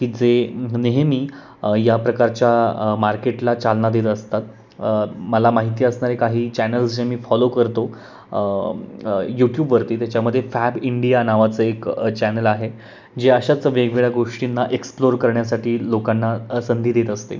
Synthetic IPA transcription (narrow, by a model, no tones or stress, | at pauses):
kiːd͡zeneɦemiː | japɾəkaɾt͡ɕjamaɾkeʈlat͡salnad̪et̪əst̪at̪̚ | məlamaɦit̪iːəsɳaɾekaɦiːt͡ɕænəlsd͡ʑemiːfɔlokəɾt̪o | juʈjuːbʋəɾt̪iːt̪jat͡ɕjaməd̪ʱːjefæbiɳɖijanaʋat͡səekt͡ɕænəlaɦe | d͡ʑeəɕat͡səʋeɡʋeɭaɡoʂʈinːaʔeksploɾkəɾɳjasaʈiːlokanːasənd̪ʱiːd̪et̪əst̪ḛ